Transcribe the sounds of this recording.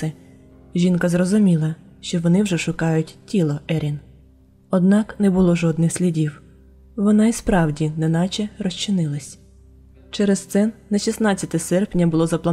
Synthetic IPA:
ɛ | ʒʲinkɐzrɔzʊmʲilˠɐ | ʃt͡ʃɔʋɔnɪwʒɛʃʊkɑjʊtʲtʲilˠɔʔɛɾʲin | ɔd̪nɑknɛbʊlˠɔʒɔd̪nɪxsʲlʲidʲiw | ʋɔnɑispɾɑwdʲinɛnɑt͡ʃɛrɔʃt͡ʃɪnɪlˠɐsʲ | t͡ʃɛɾɛst̪sɛnnɐʃʲisnɑt͡sʲːɐt̪ɛsɛrpnʲɐbʊlˠɔzɐplˠɐ

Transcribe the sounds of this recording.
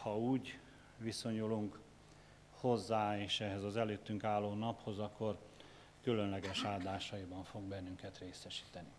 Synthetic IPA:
hɒuːɟ | ʋiso̞ɲuluŋk | ho̞zːaːeːʃɛɦɛzɒzɛløːt̪ːyŋkaːlːoːnɒpho̞zɒkːo̞r | kylø̞nlɛɡɛʃaːld̪aːʃɒjibɒɱfo̞ɡbɛnːyŋkɛt̪reːsɛʃi̥ːt̪ɛni

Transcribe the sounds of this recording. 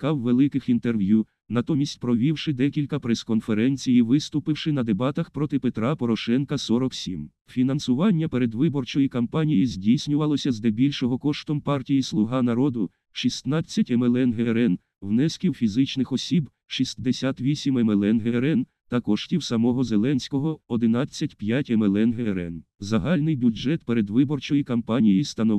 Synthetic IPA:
kɑwːelˠɪkɪxint̪erʋʲju | nɐt̪ɔmʲisʲtʲpɾɔʋʲiwʃɪd̪ɛkʲilʲkɐpɾeskɔnfeɾɛnʲt͡sʲijiʋɪst̪ʊpɪwʃɪnɐd̪ebɑt̪ɐxpɾɔt̪ɪpet̪ɾɑpɔɾɔʃɛnkɐsɔɾɔksʲim | fʲinɐnsʊʋɑnʲːɐpeɾed̪ʋɪbɔrt͡ʃɔjikɐmpɑnʲijizʲdʲijsʲnʲʊʋɐlˠɔsʲɐzd̪ɛbʲilʲʃɔɦɔkɔʃt̪ɔmpɑrtʲijislˠʊɦɑnɐɾɔd̪ʊ | ʃist̪nɑt͡sʲːɐtʲemelˠɛnɦeɾɛn | wnɛskʲiwfʲizɪt͡ʃnɪxɔsʲib | ʃisʲd̪esʲat̪ʋʲisʲimemelˠɛnɦeɾɛn | t̪ɐkɔʃtʲiwsɐmɔɦɔzelˠɛnʲsʲkɔɦɔɔd̪ɪn̪ɑt͡sʲːɐtʲpjatʲemelˠɛnɦeɾɛ̰nzɐɦɑlʲnɪjbʲud͡ʒɛt̪peɾed̪ʋɪbɔrt͡ʃɔjikɐmpɑnʲijist̪ɐnɔʋ

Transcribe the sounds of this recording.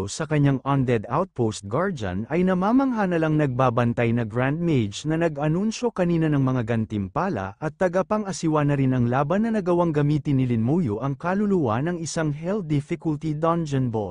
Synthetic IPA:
sɐkɐɲaŋand̪ɛd̪awt̪̚post̪̚ɡaɹd͡ʒɐ̰nɐjnɐmaːmɐŋhanɐlɐŋnɐɡ̚baːbɐnt̪ajnɐɡɹand̪̚mejd͡ʒnɐnɐɡʔɐnunʃo̞kɐniːnɐnɐŋmɐŋaɡɐnt̪ɪmpaːlɐ̰ʔɐt̪ːɐɡɐpɐŋɐsɪwanɐɾɪnɐŋlaːbɐnːɐnɐɡɐwaŋɡɐmiːt̪ɪnːɪlɪnmuːjoʔɐŋkalʊluwanɐŋɪsaŋɦɛl̚d̪ɪfɪkʊlt̪id̪and͡ʒɛnbo

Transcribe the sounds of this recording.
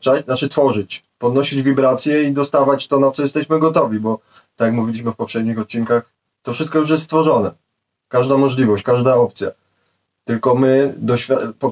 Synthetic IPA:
t͡ʂanat͡ʂɘt̪fɔʐɘt͡ɕpɔd̪nɔɕid͡ʑvʲibɾat̪sʲjɛid̪ɔst̪avat͡ɕt̪ɔnat̪sɔjɛst̪ɛɕmɘɡɔt̪ɔvʲibɔ | t̪akjakmuvʲilʲiɕ̬mɘfpɔfʂɛd̪ɲixɔt̪̚t͡ɕiŋkax | t̪ɔfʂɘst̪kɔjuʂ̬jɛst̪st̪fɔʐɔnɛ | kaʐd̪amɔʐlʲivɔɕt͡ɕkaʐd̪aɔp̚t̪sʲja̰ | t̪ɘlkɔmɘd̪ɔɕfʲapɔ

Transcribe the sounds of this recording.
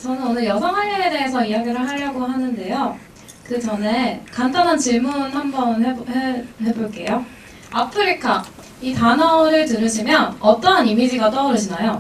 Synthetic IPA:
t͡ɕʌnɯnonɯɭjʌsʰʌŋɦanːee̞de̞esʰʌijaɡiɾɯɭɦaʎːʌɡoɦanɯnde̞jo | kɯt͡ɕʌnekandanɦant͡ɕiɭmunɦambʌnɦehehe̞boɭk͈e̞jo | apʰɯɾikʰa | itanʌoɾɯɭtɯɾɯɕʰimjʌnʌt͈ʌnimid͡ʑiɡat͈ʌuɾɯɕʰinajo

